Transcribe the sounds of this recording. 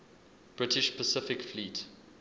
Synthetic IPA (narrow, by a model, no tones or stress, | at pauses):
b̥ɹɪtɪʃpʰəsɪfɪkfliːt